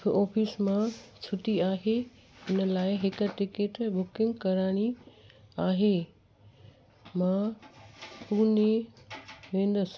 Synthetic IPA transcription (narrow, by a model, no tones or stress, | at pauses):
ɔːpʰismãt͡ɕʰʊʈiaːɦe | ɦɪnə̆laːɪɦɪkəʈɪkeʈbʊkɪ̃ŋɡkɐɾaːɽ̃i | aːɦe | mã | puːne | ʋẽːn̆d̪əs